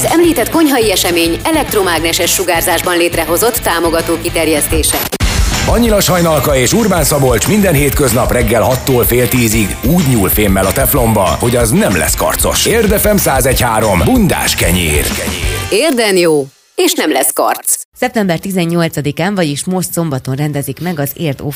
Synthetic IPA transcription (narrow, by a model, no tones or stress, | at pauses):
zɛmliːt̪ɛt̪ko̞ɲɦɒjiɛʃɛmeːɲɛlɛk̚t̪romaːɡnɛʃɛʃːuɡaːrzaːʒbɒnleːt̪rɛɦo̞zo̞t̪ːaːmo̞ɡɒt̪oːkit̪ɛrjɛst̪eːʃɛbɒɲːilɒʃhɒjnɒlkɒeːʃurbaːnsɒbo̞lt͡ʃmind̪ɛnɦeːt̪køznɒprɛɡːɛlɦɒt̪ːoːlfeːlt̪iːziɡuːɟɲuːlfeːmːɛlɒt̪ɛplo̞mbɒho̞ɟɒznɛmlɛ̰skɒ̰rt̪so̞̰ʃeːrd̪ɛfɛmsaːzɛchaːɾo̞mbund̪a̰ːʃkɛ̰ɲḛːrɛreːrd̪ɛnjoː | eːʃnɛmlɛskɒ̰rt̪ssɛp̚t̪ɛmbɛrt̪izɛɲːo̞lt̪sɒd̪ikaːɱvɒɟiʃmo̞ʃt̪so̞mbɒt̪o̞nrɛnd̪ɛzikmɛɡɒzeːrt̪oː